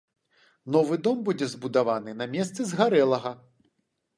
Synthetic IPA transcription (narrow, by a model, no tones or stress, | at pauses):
nɔvɨd̪ɔmbud͡zʲɛzbud̪avanɨnamʲɛst̪sɨzɣaɾɛlˠɐɣɐ